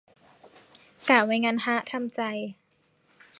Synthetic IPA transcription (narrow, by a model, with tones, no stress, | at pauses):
kaː˨˩wa˧˦jŋaː˧nha˦˥ʔt̪ʰa˧mt͡ɕa˧j